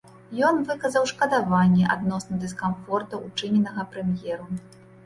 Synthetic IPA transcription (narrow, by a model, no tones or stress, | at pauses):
jɔnvɨkɐzɐwʂkɐd̪avanʲːɛʔa̰d̪nɔsnɐd̪ɨskanfɔrt̪ɐʔut͡ʂɨnʲɛnɐɣɐpɾɛmjɛɾu